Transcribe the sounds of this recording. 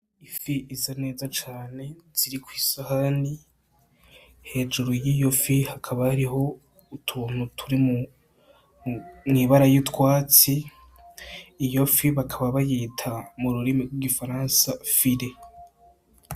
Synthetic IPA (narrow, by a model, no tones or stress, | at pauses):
ifiʔizane̞ːzat͡ʃaːne̞z̥iɾikwiːsahani | he̞ːd͡ʒuɾojiːjo̞fihakʰaβaaɾiɦo̞ | utʰuːn̥utʰuɾimu | niβaɾajitwaːt͡si | jo̞fiβakʰaβaβajeːtʰamuɾuɾimiɡwiɡifaɾaːnsafiɾe